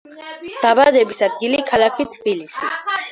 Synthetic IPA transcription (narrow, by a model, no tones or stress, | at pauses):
d̪̥abazɛbisad̪ɡilikʰalakʰit̪ʰbilisḭ